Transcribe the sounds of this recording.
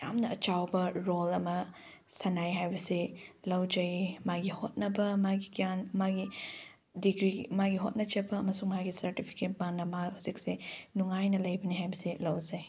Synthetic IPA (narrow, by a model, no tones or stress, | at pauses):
ja̰mnɐɐt͡ʃawbɐɾolɐmɐ | sɐnajɦajbɐsilɐwd͡ʒɐjmaɡihot̚nɐbɐmaɡikijanmaɡi | diɡɾimaɡiɦot̚nɐd͡ʒɐbɐːmɐsuŋmaɡisɐɾtipʰi̥ket̚banɐmahuzik̚sinuŋajnɐlɐjbɐniɦajbɐsilɐwd͡ʒɐj